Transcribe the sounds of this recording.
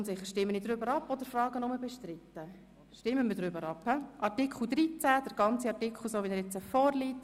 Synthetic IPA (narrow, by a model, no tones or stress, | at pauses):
ʊntsɪχːəʃtɪmːənid̪ɾʏbəɾɑpːɔd̥əɾfɾɑːɡ̥ənʊməbɛʃtɾɪt̪ːə | ʃtɪmːəmədɾʏbəɾɑphɛʔɑɾtikχl̩ˠd̪ɾit͡sæd̥əɾɡ̥ɑnt͡siɑrtɪkʰl̩soːʋidɛɾɛt͡səfɔːrliːt